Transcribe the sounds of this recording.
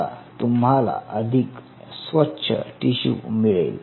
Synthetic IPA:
a̰t̪umɦala̰ʔəd̪ʱik | sʋətːɕʰə̰ʈiɕṵmiɭḛl

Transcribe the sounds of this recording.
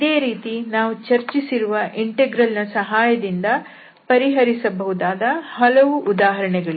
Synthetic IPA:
id̪eːɾiːt̪inaːʋut͡ʃɐɾt͡ʃisiɾuʋɐʔiɳʈeɡɾɐlnɐsɐɦaːjɐd̪ind̪ɐ | pɐɾiɦɐɾisɐbɐɦud̪aːd̪ɐhɐlɐʋuʔud̪aːɦɐɾɐɳɛɡɐɭu

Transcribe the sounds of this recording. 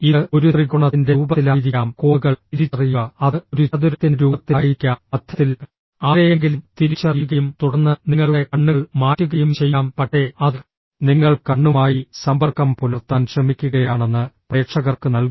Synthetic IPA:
iðo̞ɾuriɣuɳɐindeuːbɐlaːɾikːaːmko̞ːɣɐɭiɾiɐrijːuɐɐðɨoɾuɐðuɾɐt̪ːinɾuːɐt̪ːiːjikʲːaɐd̪ʰʱjɐt̪ːil | aːɾɐjeŋɡilumt̪iɾit͡ɕːɐrijuɣɐjumt̪uɽɐnːɨniŋːɐɭuɭekɐɳːuɭmaːtːuɣɐjumt͡ɕe̞jːaːmpɐʈːe̞ɐð | niŋːɐɭkɐɳːumaːjisɐmbɐrkɐmpolurt̪ːaːnɕrɐmikʲːuɣɐjaːɳe̞nːɨpre̞ːʈʂɐɣɐrkɨnɐlk

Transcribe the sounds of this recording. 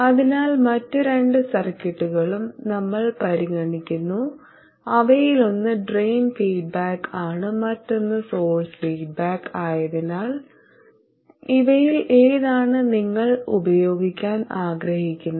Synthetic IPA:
ɐðinaːlmɐtːɨɾe̞ɳɖɨsɐrkːɐʈːuɣɐɭumnɐmːɐɭpɐɾiɣɐɳikʲːunːu | ɐʋɐjilo̞nːɨɖrejnfiːɖ̚baːkaːɳɨmɐtːo̞nːɨso̞ːɭsfiːɖ̚baːkaːjɐðinaːɭ | iʋɐjilʔeːðaːɳɨniŋːɐɭṵbɐjo̞ːɡikʲːaːnaːɡɾɐhikʲːunːɐ

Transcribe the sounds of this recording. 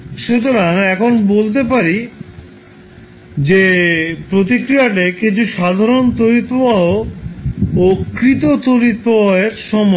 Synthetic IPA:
ʃut̪oɾaŋɛkʰonbolt̪̬epaɾi | d͡ʑepɾot̪ikɾijaʈ̬ekit͡ɕʰuʃad̪ʱaɾont̪ojɾit̪ːobaɦo | okɾit̪ot̪oɾit̪pobaɦeɾʃɔmɔ

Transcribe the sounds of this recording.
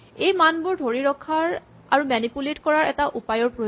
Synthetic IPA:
ejmanbʊɹdʱoɹiɹɔkʰːaɹ | aɹumɛnipuletkɔɹaɹɛtaʔupajɔɹpɹo

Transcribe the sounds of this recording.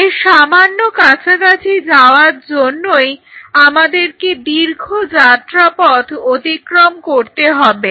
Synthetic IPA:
eʃamanːokat͡ɕʰakat͡ɕʰid͡ʑaoaɾd͡ʑonːoj | amad̪eɾked̪iɾɡʱod͡ʑat̪ːɾapɔd̪ot̪ikɾomkoɾt̪eɦɔbe

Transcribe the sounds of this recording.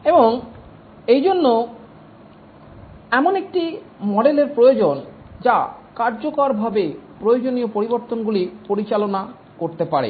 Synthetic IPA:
eboŋ | ejd͡ʑonːo | ɛmonek̚ʈi | mɔɖeleɾpɾojod͡ʑon | d͡ʑakaɾd͡ʑokoɾbʱabepɾojod͡ʑoniopoɾiboɾt̪onɡulipoɾit͡ɕalona | koɾt̪epaɾḛ

